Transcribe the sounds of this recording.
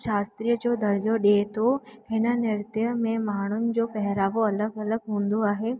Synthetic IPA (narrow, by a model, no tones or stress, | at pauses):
ʃaːst̪ɾijəd͡ʑoːd̪ʱɐɾd͡ʑoɗeːt̪ʰoɦɪnə̆nɪɾt̪ijəmẽmaːɳ̤ʊnɪ̆d͡ʑoːpɛɦɪɾaːʋoɐləɡɐləɡɦũːn̆d̪oaːɦeː